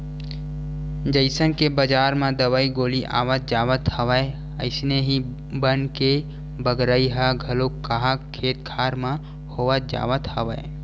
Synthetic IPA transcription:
d͡ʒəɪsənkebəd͡ʒaːɾmãd̪əwaiɡoːliʔa̰ːʋət̪̚d͡ʒaːwət̪həʋəe | ə̰ɪsneɦi | bənke | bəɡɾəiɦaɡʱəlokːaɦakʰːeːt̪̚kʰaːɾmã | hoːwət̪̚d͡ʒa̰ːʋət̪həʋə̰e

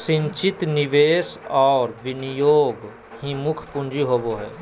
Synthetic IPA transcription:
sɪ̃ɲt͡ʃɪt̪nɪʋeːsɔːɾʋɪnijoːɡ | himʊkʰpʊ̃nd͡ʒiɦoːboɦɛː

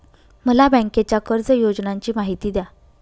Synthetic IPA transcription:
məlabə̃ŋket͡ɕjakəɾd͡zəjod͡ʑnaɲt͡ɕiːmaɦit̪iːd̪ja

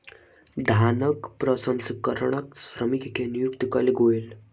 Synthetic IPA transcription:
d̪ʱanəkpɾəsənskəɾɳ̃əksɾəmikkʰenijukt̪kəliɡʱojl

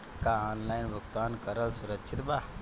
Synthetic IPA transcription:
kaaːnlaːjnbʱʊkt̪aːnkəɾəlsuɾəkt͡ʃʰit̪ba

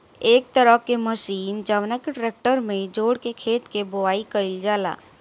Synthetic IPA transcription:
eːk̚t̪əɾəkeməʃiːnd͡ʒəʋnəkʈɾeːk̚ʈəɾmẽd͡ʒoːɽkekʰeːt̪kebʊaːikəɪld͡ʒaːla̰ː

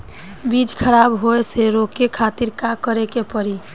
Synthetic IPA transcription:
bid͡ʒkʰəɾabɦoeseɾokekʰat̪iɾkakəɾekepəɾi

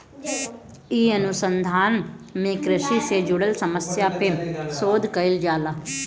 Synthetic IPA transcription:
iːənʊsənd̪ʱaːnmeːkɾəʃiːseːd͡ʒʊɽəlsəməsjaːpemsoːd̪kəɪld͡ʒaːlaː

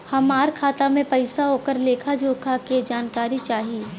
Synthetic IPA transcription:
hɐmaːɾkʰaːt̪amẽpɐɪsaɦoːkəɾleːkʰad͡ʒoːkʰaked͡ʒaːnkaːɾit͡ʃaːɦie

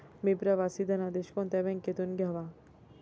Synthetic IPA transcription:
mibɾɐʋasid̪ʱɐnad̪eʃkõnt̪ebẽŋket̪unɡaʋa

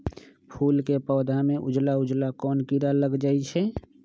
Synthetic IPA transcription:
pʰuːlkepɔːd̪ʱamẽʔʊd͡ʒlaʊd͡ʒlakɔːnkiɾaləɡd͡ʒaːit͡ʃʰɛ

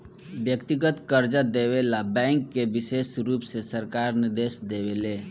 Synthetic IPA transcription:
bjəkt̪iɡət̪kəɾd͡ʒəd̪ewelabɛ̃ŋkːebisesɾupsesəɾkaɾniɾd̪esd̪ewele

